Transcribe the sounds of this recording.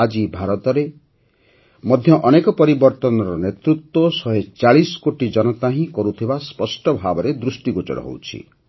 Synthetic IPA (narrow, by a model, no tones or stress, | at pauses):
ad͡ʒibʱaɾɔt̪ɔɾe | mɔd̪ʱjɔʔɔnekɔpɔɾibɔɾt̪ɔnɔɾɔnet̪ɾut̪wosɔɦet͡ʃaɭisɔ̥koʈid͡ʒɔnɔt̪aɦĩkɔɾut̪ʰibaspɔsʈɔbʱabɔɾed̪ɾusʈiɡut͡ʃɔ̰ɽɔ̰ɦo̰wt͡ʃʰḭ